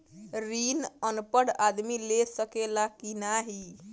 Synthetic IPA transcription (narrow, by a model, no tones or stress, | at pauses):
ɾinənpəɽad̪milesəkelakinaɦi